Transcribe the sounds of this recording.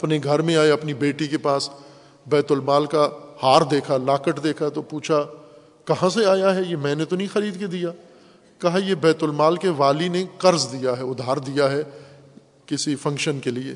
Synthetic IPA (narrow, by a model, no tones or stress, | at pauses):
ɐpneɡʱɐɾmẽaːeɐpnibeːʈikepaːs | bɛːt̪ʊlmaːlkahaːɾd̪eːkʰalaːkəʈd̪eːkʰat̪opuːt͡ʃʰa | kɐɦãseaːjaɦɛjemɛ̃ːnet̪onɐɦĩxɐɾiːd̪ked̪ijaː | kɐɦajebɛːt̪ʊlmaːlkeʋaːlinekɐɾzd̪ijaɦɛʊd̪ʱːaːɾd̪ijaɦɛ | kɪsifɐ̃ŋkʃənkeliḛː